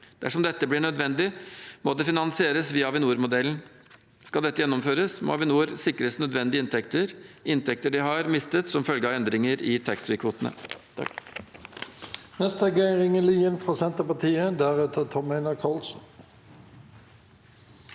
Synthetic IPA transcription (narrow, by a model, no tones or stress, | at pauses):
d̪̥æʂɔmd̪ɛt̪ːəblɪɳœd̪ʋɛnd̪ɪmod̪ɛfɪnɑnsɪeːɾəsʋɪːɑʋɪnuːɾmʊd̪ɛln̩ | skɑld̪ɛt̪ːəjɛnːɔmføːɾəsmo̰ʋɪnuːɾsɪkːɾəsnœd̪ʋɛnd̪ɪɪnt̪ʰɛkt̪əɾɪnt̪ʰɛk̚t̪əɖɪɦɑɾmɪst̪ət̪sɔmfœlɡəɑːɛnd̪ɾɪŋəɾɪt̪ʰɛkst̪ɾɪːkʰʋuːt̪ənə̰t̪ʰɑ̰k | nɛst̪əɛɡeɪʁɪŋəliːənfʁɑːsɛnt̪əpɑt̪ʰiːəd̪æʁɛt̪ʰət̪ʰɔmeɪnɑkʰɑlsn̩